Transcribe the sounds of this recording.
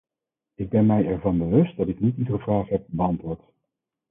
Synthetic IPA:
ɪɡ̚bɛnmɛjɛɹvɑnbəʋɵst̚dɑtɪknitinχəvraːχɦɛp̚bəɑntʋʊːɹt

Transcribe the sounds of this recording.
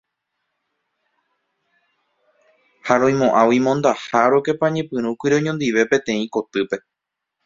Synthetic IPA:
haɾõj̃mõʔãwimõnd̪ahaɾoke̞pãɲẽpɨ̃ɾ̃ũkʷiɾeɲõnd̪iʋe̞pẽ̞t̪ẽ̞ĩko̞t̪ɨpe̞

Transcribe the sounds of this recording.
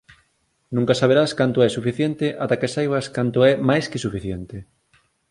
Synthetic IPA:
nũŋkasaβ̞eɾaskant̪oɛsufiθjent̪ɪʔat̪akesajβaskant̪ʊɛmajskɪsufiθjent̪ɪ

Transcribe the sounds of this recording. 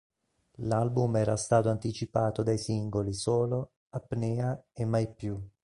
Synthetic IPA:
lalbumɛːɾast̪aːt̪oant̪it͡ʃipaːt̪od̪ajsiŋɡolisoːlo | apːnɛːaemːajpːju

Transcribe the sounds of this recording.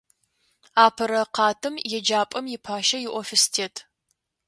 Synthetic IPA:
aːpʰɐɾɐqɑːtʰɨmjɛd͡ʒaːpʼɐmjɪpʰaːʃɐjɪʔʷɔfɪstʰeːtʰ

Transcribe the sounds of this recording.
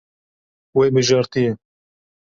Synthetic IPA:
weːbɨʒɑːɾt̪ijɛ

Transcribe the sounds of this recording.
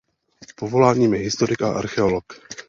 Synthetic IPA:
povo̞laːɲiːmjɛɦɪst̪oɾɪka̰ʔa̰ɾxɛolok

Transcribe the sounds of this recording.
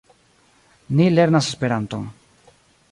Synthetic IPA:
nile̞ɾnasespe̞ɾanto̰ŋ

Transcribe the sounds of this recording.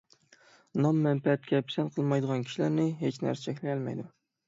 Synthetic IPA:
nɑmːɛnpɛt̪̚kʲʰɛpʰsɛnqʰəlˠmɑjd̪əʁɑnkʲʰi̥ʃilæɾnɪɦet͡ʃnæ̰ɾsɪ̥t͡ʃʰɛkʲlɪkʰʲɛlmɛ̰jd̪u

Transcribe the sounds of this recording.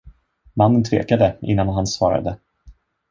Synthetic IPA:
manːənt̪ʰvḛːkad̪əʔɪ̰nːanɦansvɑːɾa̰d̪ə

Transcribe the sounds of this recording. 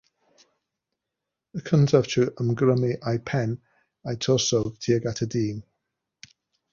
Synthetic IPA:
əkʰəntʰəv̥tʰuʔəmɡɾəmiʔajpʰɛn | ajtʰɔsɔɡ̥tʰiːəɡatʰədiːn

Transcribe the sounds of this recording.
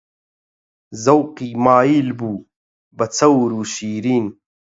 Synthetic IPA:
zɐwqimaːiːlbuː | bɐt͡sʰɐwɾuːɕiːɾiːn

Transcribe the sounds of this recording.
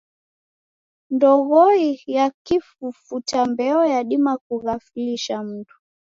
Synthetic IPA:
ndɔɣɔijakifufutambɛɔjaɗimakuɣafuliʃam̩tu̥

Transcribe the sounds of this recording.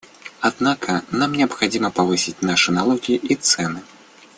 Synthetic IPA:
ad̪nakɐnamnʲɪɐpxad͡zʲimɐpavɨsʲit͡sʲnaʂɨnalˠɔɣʲiiʔit̪sɛnɨ

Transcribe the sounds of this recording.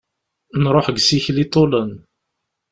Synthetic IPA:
nɾˤoħəɡsiçlit̪ˤːolən

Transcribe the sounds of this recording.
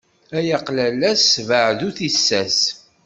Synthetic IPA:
æjɑqlælæsvəʕðuθisːæs

